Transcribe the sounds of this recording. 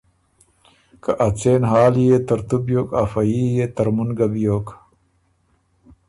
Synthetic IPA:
kɐʔɐt͡seːnɦaːlijet̪ɐɾt̪ubjoːkafɐjijet̪ɐɾmunɡɐbjoːk

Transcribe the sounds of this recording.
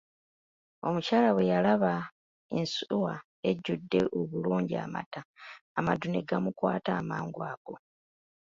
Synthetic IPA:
o̞mucaːlawe̞jalaβa | ensuwa | e̞ɟːudːe̞ʔoβuluːɲɟia̰ma̰taːmaduneɡamukwa̰ːtaːmaːŋɡwaːɡ̥o̞

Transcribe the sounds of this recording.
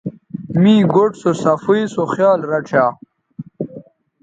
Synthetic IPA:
miːɡoʈsosɐfujsoχjaːlɾɐʈ͡ʂʰaː

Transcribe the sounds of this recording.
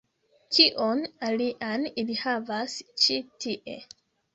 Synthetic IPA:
kiʔonaliʔanilihavast͡ʃitiʔe

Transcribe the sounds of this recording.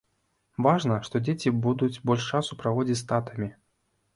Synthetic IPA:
vaʐnɐʂt̪ɔd͡zʲet͡sʲibud̪ut͡sʲbɔlʲʂt͡ʂasupɾavɔd͡zʲit͡sʲst̪at̪ɐmʲi

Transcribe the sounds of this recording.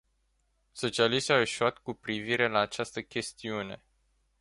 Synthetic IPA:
so̞t͡ʃialiʃt̪ʲaweʃuat̪kupɾiviɾe̞laːt͡ʃast̪əkʲe̞st̪iune̞

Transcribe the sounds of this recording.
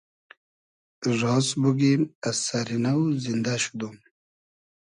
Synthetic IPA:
ɾɔːsbuɡimasaɾinawzind̪aɕu̥d̪um

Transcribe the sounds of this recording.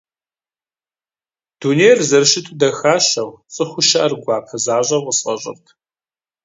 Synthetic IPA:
d̥uːnejrzɐrʃɪtʰudɐxaːɕɐwt͡sʼɨχʷʊʃɐʔɐrɡʷɑːpʰɐzaːʑʼɐwʁəsqɐɕʼɪ̰rtʰ

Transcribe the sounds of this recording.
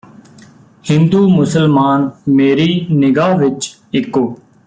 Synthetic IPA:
hɪ̃nd̪uːmʊsəlmaːnmeːɾiːnɪɡaːʋɪt͡ʃ | ɪkːoː

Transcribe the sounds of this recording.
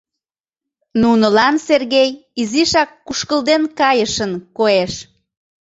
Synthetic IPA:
nunəlɑnserɣejiziʃɑkːuʃkəld̪enkɑjəʃənkoeʃ

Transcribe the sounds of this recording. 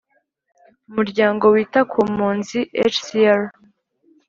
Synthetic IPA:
umuɾɟaːŋɡo̞wiːtakʰuːmuːnziʔḛt͡ʃsiaɾ

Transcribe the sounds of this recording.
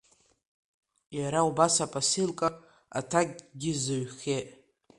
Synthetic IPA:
jaɾaubasapʼasilkʼa | a̰tʰaɡ̚ʲɡʲɪzɨɥχʲeʔ

